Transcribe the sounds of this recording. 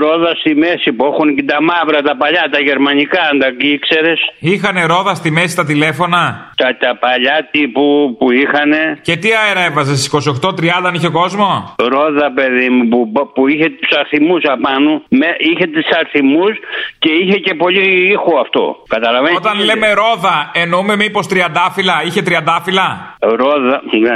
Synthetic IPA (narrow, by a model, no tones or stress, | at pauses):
ɾoðɐst̪imesipuexuncit̪ɐmɐvɾɐt̪ɐpɐʎɐt̪ɐʝe̞ɾmɐnikɐɐnd̪ɐkiikseɾesixɐne̞ɾo̞ðɐst̪ime̞sist̪ɐt̪ile̞fo̞nɐt̪ɐt̪ɐpɐʎɐt̪ipupuixɐne̞ce̞t̪iɐeɾɐevɐzest̪isi̥ko̞sio̞xt̪ot̪ɾiɐnd̪ɐniçeoko̞zmo̞ɾo̞ðɐpe̞ðimupupuiçet̪usɐɾθimusɐpɐnumeiçet̪usɐɾθimusce̞içece̞po̞ʎiixoɐft̪o̞̰kɐt̪ɐlɐveot̪ɐnle̞me̞ɾo̞ðɐe̞noume̞mipo̞st̪ɾiɐnd̪ɐfilɐiçe̞t̪ɾiɐnd̪ɐfilɐ | ɾoðɐn